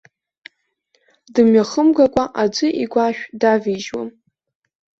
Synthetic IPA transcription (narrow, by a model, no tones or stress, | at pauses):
dɨmɥaχəmɡakʷʼaʔad͡ʒʷʼɨʔiɡʷaʃᶣdaviʒwa̰m